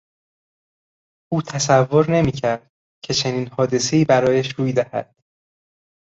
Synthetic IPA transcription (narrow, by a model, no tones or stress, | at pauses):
ʔuːt̪ʰæsævːo̞ɾne̞miːkcʰæɾd̪̥ | cʰe̞t͡ʃʰe̞niːnhɒːd̪e̞se̞iːbæɾɒːjæʃɾuːjd̪æhæ̰d̪̥̚